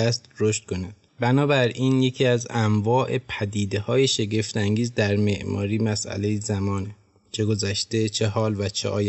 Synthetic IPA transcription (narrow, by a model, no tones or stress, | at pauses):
æst̪ɾo̞ʃt̪̚kʰonæd̪̥bænɒːbæɾiːnje̞cʰiæzæmvɒːʔe̞pʰæd̪iːd̪e̞hɒːje̞ʃe̞ɟe̞ft̪æŋɟiːzd̪æɾme̞ʔmʔɒ̰ːɾiːmæsʔæ̰le̞jezæmɒːne | t͡ʃʰe̞ɡo̞zæʃt̪e̞t͡ʃʰeɦɒːlvæt͡ʃʰḛʔɒ̰ːj